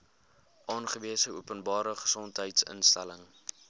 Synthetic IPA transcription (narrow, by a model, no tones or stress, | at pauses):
ʔɑːnχəviəsəuəpənbɑːɾəχə̥sɔntɦəjtsə̰nstæləŋ